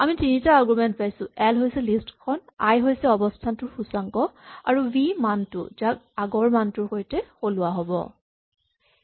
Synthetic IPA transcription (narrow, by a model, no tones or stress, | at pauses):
amitinitaːɡɹimɛntpajsʊ̃ɛlɦojsɛlistkʰɔnajɦojsɛɔbɔstʰantʊɹxusaŋkɔa̰ɹubimantʊ̰zak̚aɡɔɹmantʊɹxojtɛxolʊwaɦɔbɔ̰